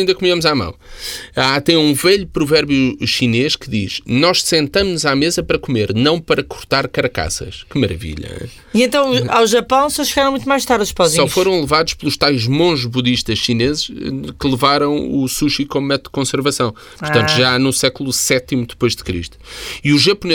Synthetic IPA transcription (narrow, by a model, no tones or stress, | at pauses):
ĩnd̪ɐkumiɐmuzamɐ̰̃w̃at̪ɐ̃j̃ũvɛʎupɾuvɛɾβjuʃineʃkɨðḭʃnɔʃsẽnt̪ɐmnuzamezɐpɐɾɐkumeɾnɐ̃w̃pɐɾɐku̥ɾt̪aɾkɐɾɐka̰sɐ̰ʃkɨmɐɾɐ̰vḭʎɐ̰ | iẽnt̪ɐ̃w̃awʒɐpɐ̃w̃sɔʃɨɣaɾɐ̃mũt̪majʃt̪aɾuʃpɔzĩsɔfoɾɐ̃w̃lˠɨvaðuʃplˠuʃt̪ajʒmõʒβuðiʃt̪ɐʃʃinezʃkɨlˠɨvaɾɐ̃w̃usuʃikõmmɛt̪ud̪kõsɨɾvɐsɐ̃w̃ | puɾtt̪ɐ̃nt̪uʒanusɛklˠusɛt̪imud̪ɨpojʒd̪ɨkɾḭʃt̪u̥iuʒɐpune